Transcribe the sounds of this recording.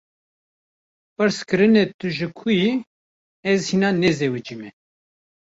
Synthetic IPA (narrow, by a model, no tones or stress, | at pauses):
pɨɾskɨɾɨnet̪uʒɨkʰuji | ɛzhinɑnɛzewɨd͡ʒimɛ